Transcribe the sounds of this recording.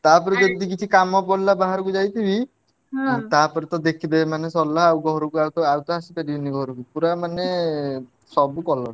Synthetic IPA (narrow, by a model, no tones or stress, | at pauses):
t̪apɔɾed͡ʒɔd̪ik̬it͡ʃʰikamɔpɔlabaɦaɾɔkud͡ʒajt̪ʰibi | t̪apɔɾet̪ɔd̪ekʰid̪ebemanesɔlːaɦawɡɔɦɔɾɔkuawt̪ɔaut̪ɔasipeɽibiniɡɔɦɔɾɔkupuɾamane | sɔbukɔlɔ